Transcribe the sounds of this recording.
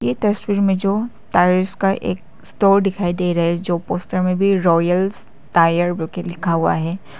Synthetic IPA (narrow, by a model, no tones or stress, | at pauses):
jet̪ɐswiːɾmẽd͡ʒoː | t̪aːɾɪskaʔḛːk̚ | sʈoːɾɖɪkʰaːid̪eːɾɐɦɛd͡ʒoːpoːsʈəɾmẽbʱiɾɔːjəls | t̪aːjəɾbɐlkelɪkʰaɦua̰ɦɛː